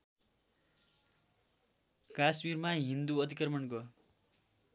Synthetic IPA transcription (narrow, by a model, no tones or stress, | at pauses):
kasmirmaɦind̪uʌd̪ʱikrʌmʌnkʌ